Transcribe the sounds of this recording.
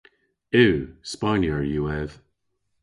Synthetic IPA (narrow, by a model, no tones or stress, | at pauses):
ʉːspanjəɹjuɛv̥